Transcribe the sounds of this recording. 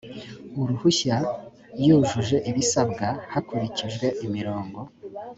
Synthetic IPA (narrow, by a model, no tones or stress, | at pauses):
uɾuhuça | juːʒuʒe̞ʔiβisabɡahakuɾiciʒɡwe̞ʔimiɾo̞ːŋɡo̞